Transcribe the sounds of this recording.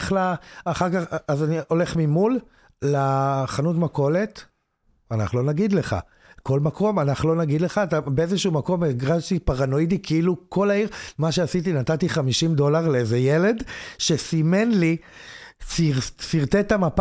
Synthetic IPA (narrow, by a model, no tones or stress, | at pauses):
χlaːχaʁkaχazanio̞leχmimulː | aχanutmako̞let | ana̰χlo̞naɡid̪le̞χa̰ | ko̞lmako̞manaχlo̞naɡid̪le̞χaːt̪abeezeʃuumako̞meɡʁaʃtipaʁano̞idikʰeiluko̞laiʁmaʃeasit̬inatatiχamiʃimdo̞laʁleezejele̞dʃe̞simenli | sisiʁt̪etamap